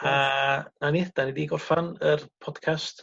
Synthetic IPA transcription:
ananid̥anɛdiɡɔrfanərpʰɔd̥kʰast

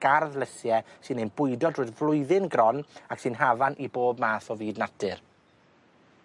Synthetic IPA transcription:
ɡ̥arðlˠəsjɛsɨnenbʊɨdɔdrʊːdvlˠʊɨðɪnɡrɔnaksɨːnɦavanʔiboːb̚maːθɔviːdnatɪr

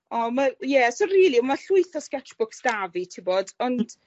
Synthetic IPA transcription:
ɔmajɛsoriːlˠimaɬʊɨθɔskɛt͡ʃb̥ʊksd̥avitʰibodɔnd̥

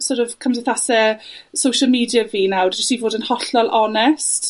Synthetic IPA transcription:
soːɾɔv̥kʰamsɪθasɛsowʃəlˠmiːdjaviːnawdd͡ʒɪstivoːdənhɔɬɔlˠʔɔnɛst

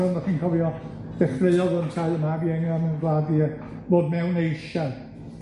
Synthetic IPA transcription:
ɔnaχiːnkʰɔvjɔd̥ɛfreɨɔðəntʰajəmabiɛŋjɔnunɡlaːdi | boːdmɛwnejʃaɨ

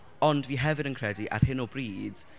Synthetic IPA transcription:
ɔndviːɦɛvɪnənkʰr̥ɛdiʔa̰rhɪnɔbriːd̥

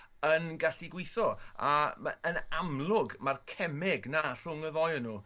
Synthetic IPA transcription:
ənɡaɬɪɡwɪθɔaənamlˠʊɡmarkʰɛmɪɡnar̥ʊŋəðɔjənːuː

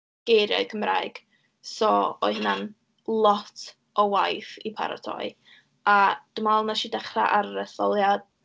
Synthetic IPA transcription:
ɡ̥ejɾjɔ̰ɨkʰəmra̰jɡ̥ | sɔɔ̰ɨhnan | lˠɔtʰ | ɔwajθipʰa̰ɾa̰tʰɔ̰ɨ | ad̥əmalˠnaʃidɛχraʔarːɛθɔlˠjad̥̚

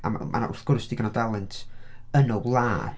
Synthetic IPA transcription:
a̰mʔa̰ʊ̰rθɡ̥ʊrsd̥iɡənadalˠɪntʰənɔwlˠaː

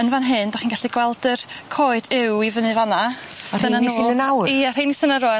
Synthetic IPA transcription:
ənvanɦɨndaχiːnɡaɬiɡwɛlˠdərkʰoːɨd̥ɪwivənɨvanaḁənanusnənawiarinisənəɾɔ

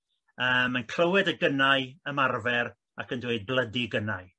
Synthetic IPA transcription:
əːmənkʰl̥əwɛdəɡənaɨəmarvɛr | akəndweɨd̚blˠədiɡənaɨ

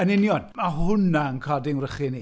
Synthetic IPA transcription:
ənɪnjɔd̚mahʊnaənkʰɔdɪŋrəχini

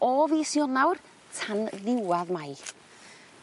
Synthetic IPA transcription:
ɔvisjɔnawr | tʰanðɪwaðmaj

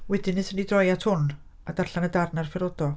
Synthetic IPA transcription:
wɛdɨnɨsənidrɔjatʰhʊn | adarɬanədarnarfɛɾɔdɔ

